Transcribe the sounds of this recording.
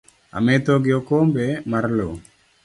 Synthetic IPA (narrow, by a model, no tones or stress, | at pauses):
a̰met̪oɡɪokombemarlo